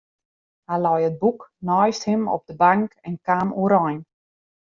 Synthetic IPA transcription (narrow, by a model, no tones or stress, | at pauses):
halɔjət̚buknɔjsthɪmɔ̰p̚dəbaŋkɛnkaːmuɾɔjn